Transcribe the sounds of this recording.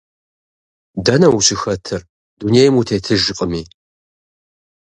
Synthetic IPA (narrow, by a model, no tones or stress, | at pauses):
dɐnɐwuɕɪxɐtʰɨr | dunejmutʰeːtʰɨʒɨqʼəmiː